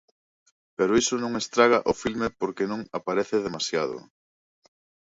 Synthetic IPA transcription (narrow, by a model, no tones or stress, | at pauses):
peɾʊisonõŋest̪ɾaɣ̞aʔʊfilmepoɾkenõŋapaɾeθeðemasjaðʊ̰